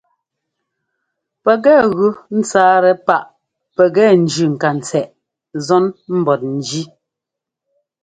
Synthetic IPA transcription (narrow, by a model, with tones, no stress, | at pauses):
pɛ˨ɡɛ˦˨ɣʉ˦n̩˦t͡saː˦ɾɛ˨pa˦ʔ | pɛ˨ɡɛ˦˨n̩˨d͡ʒʉ˨ŋ̩˨ka˨n̩˨t͡sɛ˨ʔ | zɔ˦nm̩˦bɔ˨t̚n̩˨d͡ʒi˦